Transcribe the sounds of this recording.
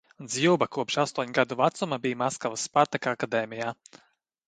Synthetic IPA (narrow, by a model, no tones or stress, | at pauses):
nd̪zʲiwbakuɔpʃast̪uɔɲʲɡad̪uvat̪sumabijmaskavasːpaɾt̪akakad̪ɛːmʲijaː